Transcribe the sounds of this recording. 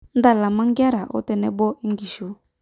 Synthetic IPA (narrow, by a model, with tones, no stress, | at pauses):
n˦da˦˨la˨ma˦ŋ˦ɡja˦ɾa˨ʔɔ̰˦tɛ˨nɛ˦bɔ˦ʔi˦ŋɡi˨ʃo˨